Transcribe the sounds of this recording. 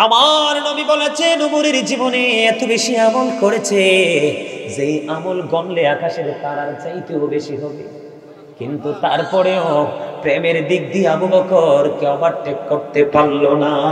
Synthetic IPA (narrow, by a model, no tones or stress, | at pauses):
amaɾnobibɔlad͡ʑenomuɾiɾd͡ʑiboneɛt̪obeʃiɛmonkoɾet͡ɕʰe | d͡ʑejamolɡɔnleakaʃeɾt̪aɾaɾd͡ʑajt̪eobeʃiɦɔbḛ | kḭnt̪ut̪aɾpɔɾeopɾemeɾd̪iɡ̚d̪iabubɔkʰoɾkeabaɾʈːekːoɾt̪epalːona